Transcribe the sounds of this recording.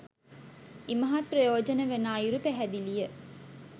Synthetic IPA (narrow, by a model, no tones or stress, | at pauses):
imɐɦat̪̚prəjoːd͡ʒənəʋenaːjuɾupæɦæd̪ilijə